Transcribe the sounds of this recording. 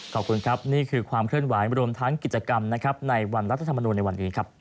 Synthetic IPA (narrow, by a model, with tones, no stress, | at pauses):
kʰɔː˨˩p̚kʰu˧nkʰɾa˦˥p̚niː˥˩kʰɯː˧kʰwaː˧mkʰɾɯ˥˩ənwaː˩˦jɾu˧əmt̪ʰa˦˥ŋki˨˩t͡ɕa˧ka˧mna˦˥kʰɾa˦˥p̚na˧jwa˧nɾt̪ʰa˧t̪ʰa˧mː˧nuː˧nːa˧jwa˧nːiː˦˥kʰa˦˥p̚